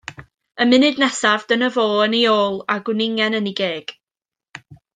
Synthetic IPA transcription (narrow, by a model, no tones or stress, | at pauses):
əmɪnɨdnɛsavdənəvoːənioːlˠaɡwɪnɪŋɛnəniɡeːɡ̥